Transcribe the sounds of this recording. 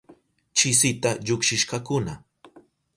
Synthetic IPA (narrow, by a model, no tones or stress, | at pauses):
t͡ʃɪsɪt̪aʎʊkʃɪʃkɑkʊna